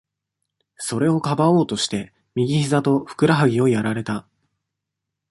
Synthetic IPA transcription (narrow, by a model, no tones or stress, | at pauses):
so̞ɾe̞o̞kabao̞ːt̪o̞ɕi̥t̪e̞ | mʲiɡʲiçizat̪o̞ɸɯ̟̥kɯ̟ɾaɦaɡʲio̞jaɾaɾe̞t̪a